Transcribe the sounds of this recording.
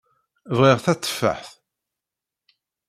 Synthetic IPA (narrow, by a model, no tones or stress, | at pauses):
vʁɪʁθæt͡sːə̥fːə̰ħθ